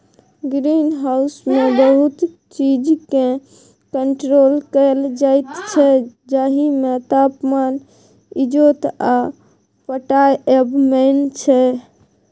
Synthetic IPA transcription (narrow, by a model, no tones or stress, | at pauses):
ɡɾinɦausmebəɦut̪ | t͡ʃid͡ʒke | kəɳʈɾolkəld͡ʒajt̪t͡ʃʰɛd͡ʒaɦimet̪apman | id͡ʒot̪a | pəʈajɛbmənt͡ʃʰɛ